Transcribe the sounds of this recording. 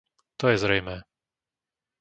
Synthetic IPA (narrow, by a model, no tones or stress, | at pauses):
t̪ɔjɛzɾɛjmɛː